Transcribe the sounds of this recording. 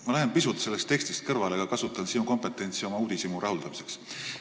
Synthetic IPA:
mɑlæɦenpisut̪ˑse̞lːest̪ekst̪ist̪̚kɤrvɑle̞ɡ̥ɑkɑsut̪ːˑɑnsinuko̞mpe̞t̪ːˑe̞nʲt̪sio̞mɑuːd̪̥isimurʔɑɦuld̪̥ɑmise̞ks

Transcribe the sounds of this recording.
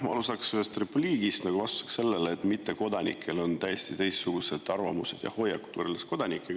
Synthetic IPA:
mɑɑ̰lusɑksyest̪repliːɡ̥ist̪nɑɡuvɑst̪u̥se̥kse̞lːe̞leːt̪ːˑmit̪ːe̞ko̞d̪ɑnḭkʰːˑe̞lo̞nt̪æje̞st̪it̪e̞jssuɡ̥use̞d̪̥ɑrvɑmuse̞̰d̪jɑ̰ho̞jːɑkːˑu̥t̪ːəɾelesko̞d̪̥ɑnikːˑeɡ̥

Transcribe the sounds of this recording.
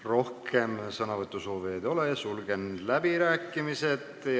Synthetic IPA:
ro̞hkʰe̞msɤnɑvɤt̪ːˑuso̞ːved̪o̞lejɑsulɡe̞nlæb̥iɾæːkːˑimise̞d̪ | j

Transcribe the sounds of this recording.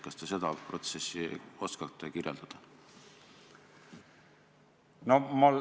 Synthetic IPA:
kːɑst̪ese̞d̪ɑpro̞t̪se̞sːio̞skɑt̪ːˑekirjeld̪̥ɑd̪̥ɑ | nomul

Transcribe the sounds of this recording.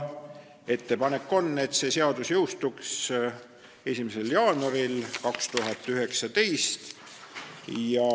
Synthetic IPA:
e̞t̪ːe̞pɑne̞kːˑo̞nːe̞t̪ːse̞ːse̞ɑd̪usjɤwst̪uks | e̞sʲimese̞ljɑːnɑɾilkɑkst̪uɦɑt̪ːˑyɦe̞ksɑt̪e̞jst̪ | jɑ

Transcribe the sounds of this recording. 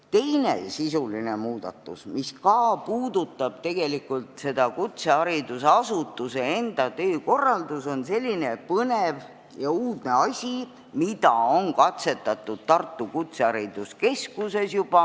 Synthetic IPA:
t̪e̞jne̞̰sisuline̞muːd̪̥ɑ̰t̪ːˑṵsmiskɑːpuːd̪̥ut̪ːˑɑb̥̚t̪e̞ɡ̥e̞likˑult̪se̞d̪̥ɑkut̪se̞ɑɾid̪useɑsut̪ːˑusee̞nd̪̥ɑt̪eːko̞rːɑld̪uso̞nse̞lʲːine̞pɤnev | jɑuːd̪ne̞ɑsʲi | mid̪ɑo̞nkɑt̪se̞t̪ːɑt̪ːˑud̪̥̚t̪ɑrt̪ˑːukut̪seɑɾid̪̥uske̞skuse̞sjub̥ɑ

